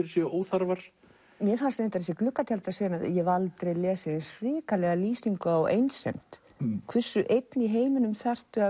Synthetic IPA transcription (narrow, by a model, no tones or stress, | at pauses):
ɪɾsɛoːwθaɾvaɾ̥ | mjɛfanst̪nent̪aɾɛsjɛklʏhkːat̪ʰjalt̪asejɪnaðjɛvalt̪ɾejlɛːsɪensɾɪːkalɛɣaliːsiŋkʏawʔḛjnsːḛjm̥t̪ | kʰvɛ̥sːʏʔejt̪niɦeːjmɪnʏmθar̥t̪ʏa